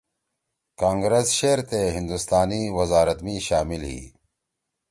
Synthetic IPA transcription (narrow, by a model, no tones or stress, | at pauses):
kaːŋɡɾesɕeːɾt̪eɦind̪ust̪aːniwɐzaːɾɐt̪miːɕaːmilɦḭː